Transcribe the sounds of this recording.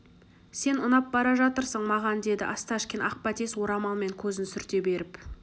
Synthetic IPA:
se̞nʊnɑp̚bɑɾɑʒɑt̪əɾsəɴmɑʁɑnd̪e̞d̪ɪʔɑst̪ɑʃkʲenɑq̚pɑt̪ʰeswo̞ɾɑmɑlˠme̞ŋkʲʰɵzɪnsʏɾt̪e̞be̞ɾɪp

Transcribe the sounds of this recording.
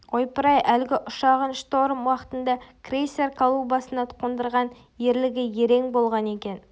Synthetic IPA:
o̞jpəɾɑjælɡʲɪʔʊʃɑʁənʃt̪o̞ɾəmwɑqət̪ənd̪ɑkrʲejse̞rkʰolˠubɑsənɑt̪ʰʊ̥qːond̪əɾʁɑn | je̞ɾlɪɡʲɪje̞ɾe̞ŋbo̞lˠʁɑne̞kʲe̞n

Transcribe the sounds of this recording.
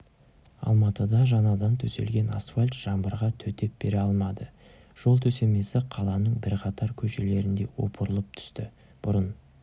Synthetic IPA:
ɑ̰lˠmɑt̪əd̪ɑʒɑnɑd̪ɑnt̪ʰɵse̞̰lɡʲe̞nasfalʲt̪ʒ̥ɑmbəɾʁɑt̪ʰɵt̪e̞p̚b̥eɾe̞ɑlˠmɑd̪ə | ʒ̥o̞lˠt̪ʰɵse̞me̞sɪqʰɑlˠɑnəɴbɪɾqʰɑt̪ɑɾkʲʰɵʃe̞le̞ɾɪnd̪e̞wo̞̰pəɾəlˠəp̚t̪ʰʏ̥st̪ɪ | b̥ʊɾən

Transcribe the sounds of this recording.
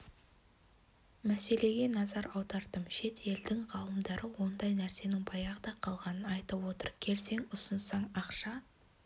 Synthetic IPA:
mæse̞le̞ɡʲe̞nɑzɑɾɑwd̪ɑɾd̪əmʃe̞t̪e̞ld̪ɪŋʁɑlˠəmd̪ɑɾəwo̞nd̪ɑjnæɾse̞nɪŋbɑjɑʁəd̪ɑqʰɑlˠʁɑnənɑjt̪əpwo̞t̪əɾkʲʰe̞lse̞ŋʊsənsɑɴɑqʃɑ

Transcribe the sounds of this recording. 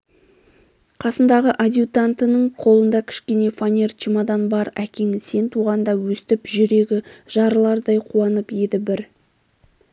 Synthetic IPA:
qʰɑsənd̪ɑʁəʔad̪ʲjut̪ant̪ənəɴqʰo̞lˠənd̪ɑkʲʰɪ̥ʃkʲe̞ne̞fanʲert͡ʃimɑd̪ɑnbɑɾækʲeŋse̞nt̪ʰuʁɑnd̪ɑwɵst̪ɪpʒʏɾe̞ɡʲɪʒ̥ɑɾəlˠɑɾd̪ɑjqʰuɑnəpje̞d̪ɪbɪɾ

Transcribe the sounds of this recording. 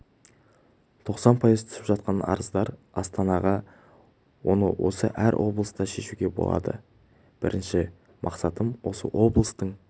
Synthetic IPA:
t̪ʰo̞qsɑnpʰɑjəzt̪ʰʏ̥sɪpʒɑt̪̚qɑnɑ̰ɾəzd̪ɑɾ | ɑst̪ɑnɑʁɑ | wo̞̰nəwo̞̰səʔæɾwʔo̞blˠəst̪ɑʃe̞ʃuɡʲe̞bo̞̰lˠɑ̰d̪ə̰ | b̥ɪɾʔɪnʃɪ | mʔɑqsɑt̪əmwo̞sə̰wo̞blˠəst̪əɴ

